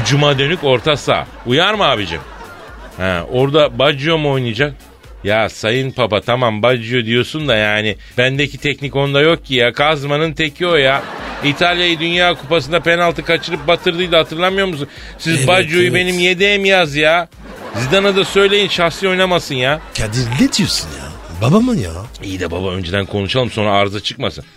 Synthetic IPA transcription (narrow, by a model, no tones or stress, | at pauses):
d͡ʒumad̪ø̞nyko̞ɾt̪ʰasa̰ː | ujaɾmaːbid͡ʒḭm | hɛ̰ːo̞ɾd̪abad͡ʒɯjo̞mo̞jnɯd͡ʒak̚ | jaːsajɯnpʰapat̪ʰamambad͡ʒɯjo̞d̪ijo̞sund̪ajaːnɪ | b̥ænd̪ɛcit̪ʰɛcnico̞nd̪ajo̞k̚cʰːijakʰazmanɯnt̪ʰecʰio̞jait̪ʰalʲjajid̪ynjaːkʰupas̬ɯnd̪ape̞nalˠt̪ɯkʰat͡ʃʰɯɾɯp̚bat̪ʰɯɾd̪ɯjd̪ahat̪ʰɯɾlˠamɯjo̞ɾmus̬un | sizbad͡ʒujube̞nimjed̪emjazja | zid̪anad̪asø̞jlʲe̞jinʃaxsijo̞jnamasɯnjacʰad̪iɾlʲːɛd̪ijosunja̰babamɯnja̰ijid̪ɛba̰baø̞̰nd͡ʒed̪ænkʰo̞nuʃalˠɯmso̞nɾaːɾzat͡ʃʰɯk̚masɯn